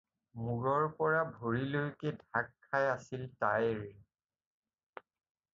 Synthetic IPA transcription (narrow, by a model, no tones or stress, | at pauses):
muɹɔɹpɔɹabʱoɹilojkedʱakʰːajasiltajɹ